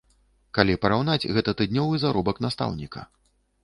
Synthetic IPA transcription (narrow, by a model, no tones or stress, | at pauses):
kalʲipɐɾawnat͡sʲɣɛt̪ɐt̪ɨd̪ʲnʲɔvɨzaɾɔbɐknast̪a̰wnʲikɐ̰